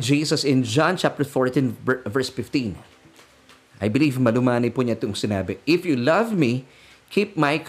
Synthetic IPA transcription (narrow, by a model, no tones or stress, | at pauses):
d͡ʒiːsɐsɪ̃nd͡ʒãnt͡ʃap̚t̪ɛɹfoɹt̪ĩnvɛɹsfɪft̪ĩn | ʔajbɪliːvmɐlʊmaːnɪpuɲɐɪt̪oŋsɪnaːbɪʔɪfjulʌvmi | kʰip̚majkʰ